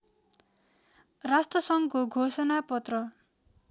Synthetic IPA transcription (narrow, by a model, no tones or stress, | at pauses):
rasʈrʌsʌŋkoɡʱosʌnapʌt̪rʌ